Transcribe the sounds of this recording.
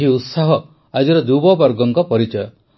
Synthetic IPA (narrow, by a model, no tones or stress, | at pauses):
iut̪saɦɔ | ad͡ʒiɾɔd̪ubɔbɔɾɡɔŋkɔpɔɾit͡ʃɔjɔ